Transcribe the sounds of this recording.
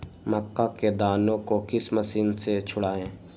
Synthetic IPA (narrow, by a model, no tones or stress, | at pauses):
məkːaked̪aːnõkokɪsməsiːnset͡ʃʰʊɽaːẽː